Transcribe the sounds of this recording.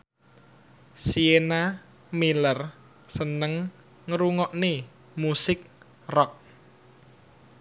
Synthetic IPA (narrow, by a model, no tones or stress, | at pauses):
siena | milər | sənəŋ | ŋəɾuŋɔʔne | musɪk̚ | rɔk̚